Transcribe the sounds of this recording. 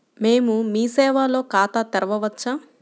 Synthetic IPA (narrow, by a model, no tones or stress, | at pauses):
meːmumiːsɛːʋaːlo̞ːkaːt̪aːt̪ɛɾɐʋɐʋɐt͡ʃːaːm